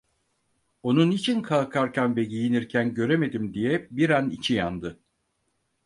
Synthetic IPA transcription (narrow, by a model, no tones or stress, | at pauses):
o̞nunit͡ʃʰinkʰalˠkʰaɾcʰanvɛɟijiniɾcʰænɟø̞ɾe̞me̞d̪imd̪ijɛbiɾanit͡ʃʰijand̪ɯ